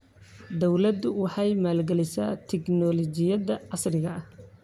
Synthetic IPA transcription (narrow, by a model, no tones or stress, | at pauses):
d̪ɔwlɐd̪ʊwɑħɑjmaːlɡɛlɪsa̰ːt̪ʰɪɡnɔːlɔt͡ʃɪjɐðɐʕɑsrɪɣɐɐh